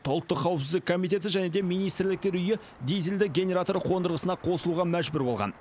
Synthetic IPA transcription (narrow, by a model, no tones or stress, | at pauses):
t̪ʰolˠət̪ːəqʰːɑwəpsɪzd̪ɪkʰo̞mijt̪e̞t̪ɪʒæne̞d̪e̞mijnijst̪ɾlɪk̚t̪e̞ɾʏjɪ | d̪ejzeld̪ɪɡʲe̞nʲe̞ɾat̪o̞ɾqʰo̞nd̪əɾʁəsənɑqʰo̞səlˠuʁɑmæʒbʏɾbo̞lˠʁɑ̰n